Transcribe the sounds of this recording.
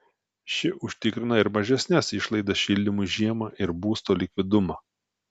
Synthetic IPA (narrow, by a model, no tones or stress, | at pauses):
ʃʲɪʔʊʃʲt̪ʲɪkɾʲɪnɐɪɾmɐʒʲɛsʲnʲɛsɪʃlˠɐɪd̪ɐsʃʲɪlʲd̪ʲɪmuʒʲiɛmɐʔɪɾbuːst̪oːlʲɪkʲʋʲɪd̪ʊmɑː